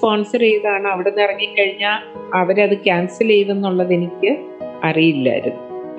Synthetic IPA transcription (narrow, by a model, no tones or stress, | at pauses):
poːɳsɐrejðaːɳɨɐʋiɽenːirɐŋːikːɐɻiɲːaːlɐʋɐɾɐðɨkʲaːnsilejʋe̞nːuɭːɐðe̞nikʲːɨ | ɐrijilːɐ̰ɐ̰ɾunːu